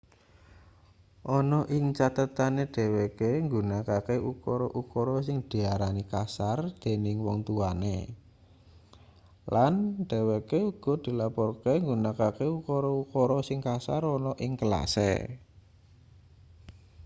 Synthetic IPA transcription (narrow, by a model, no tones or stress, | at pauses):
ʔɔnɔʔɪŋt͡ʃat̪ət̪aneɖ̪̥e̤wekeŋɡunakakeʔukɔɾɔʔukɔɾɔsɪŋd̪̥i̤aɾanikasard̪̥e̤nɪŋwɔŋt̪uanḛ | lanɖ̪̥e̤wekeuɡ̥ɔ̤d̪̥i̤lapɔrkeŋɡunakakeukɔɾɔukɔɾɔsɪŋkasa̰rɔnɔʔɪŋkəla̰sḛ